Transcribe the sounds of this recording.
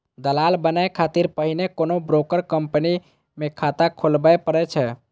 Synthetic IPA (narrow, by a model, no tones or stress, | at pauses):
d̪əlalbənajkʰat̪iɾpəɦinekonobɾokəɾkəmpəni | mekʰat̪akʰolbajpəɾɛt͡ʃʰɛ